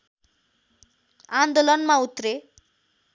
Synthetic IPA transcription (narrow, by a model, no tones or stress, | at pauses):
and̪olʌnmãut̪ɾe